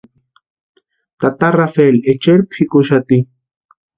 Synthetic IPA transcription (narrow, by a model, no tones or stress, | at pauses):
t̪at̪arafelet͡ʃeɾpʰikʊʃat̪i